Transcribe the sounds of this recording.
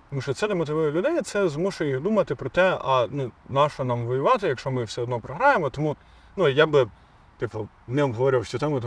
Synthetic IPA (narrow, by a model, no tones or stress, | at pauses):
t̪ɔmuʃt͡ʃɔt̪sɛd̪ɛmɔt̪ɪʋujʊlʲʊd̪ɛjt̪sɛzmuʃɛjiɣd̪umɐt̪ɪpɾɔt̪ɛɐnunɑʃɐnɑmʋɔjʊʋɑt̪ɪjɐkʃt͡ʃɔmɪwsɛɔd̪nɔpɾɔɦɾɑjemɔt̪ɔmu | nujabɪ | t̪ɪpɔ | nɛɔbɦɔʋɔɾʲɪwʃt͡ʃɔt̪ɔmʊt̪